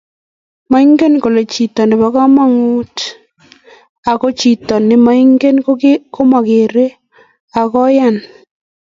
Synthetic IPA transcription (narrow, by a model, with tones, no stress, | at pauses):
ma˦i˦ŋɡe˦nko˨le˨t͡ʃi˨tɔ˨nɪ˨ba˨ka˦ma˦ŋu˦t | a˨ko˦t͡ʃi˨tɔ˨nɪ˨ma˦i˦ŋɡe˦n˦ko˦ma˨ke˨ɾe˦ | a˨kɔ˦ja˦n